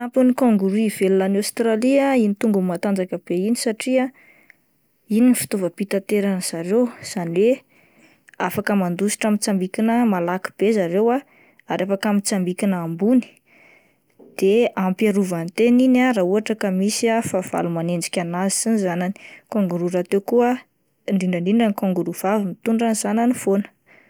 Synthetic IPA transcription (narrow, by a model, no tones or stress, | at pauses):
ampunikoŋɡuɾivelunanast̪ɾaliainit̪uŋɡummat̪and͡zakəb̥einisaʈ͡ʂia | ininifi̥t̪ovəpit̪at̪eɾanəz̥aɾewz̥aniwe | afakəmand̪usi̥ʈ͡ʂamit͡sambikinəmalaki̥b̥ezaɾewa | aɾefakamit͡sambikinambuni̥ | d̪̥eampaɾuvant̪eninarauaʈ͡ʂakəmisiafav̥a̰lumanend͡ʒi̥kʲanazi̥sinizanani̥koŋɡuɾuɾat̪ewkuə | ɳɖ͡ʐiɳɖ͡ʐəɳɖ͡ʐiɳɖ͡ʐanikoŋɡuɾuv̥avimit̪uɳɖ͡ʐanizananifonə̥